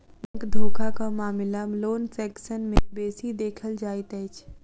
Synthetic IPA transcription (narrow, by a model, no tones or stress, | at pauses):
nkd̪ʱoːkʰakʰamaːmɪlamloːnsɛːksənmẽbeːsid̪eːkʰəld͡ʑaːit̪əɪt͡ʃʰ